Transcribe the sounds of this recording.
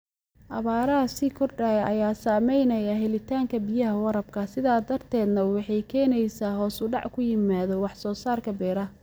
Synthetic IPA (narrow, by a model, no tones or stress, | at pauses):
ʔɐβaːɾɐɦɐsiːkʰɔrɖɐjʔɐ̰jaːsaːmɛjnɐjɐɦɛlɪt̪ʰaːŋkʰɐbijɐɦɐwɑɾɐb̚kʰɐsɪðaːd̪ɐrt̪ʰɛːd̪nɐwɑħɑjkʰɛːnɛjsaːɦɔːsʊɖɑ̰ʕkʰʊjɪmaːðɔwɑħsɔːsaːrkʰɐbɛːɾɐ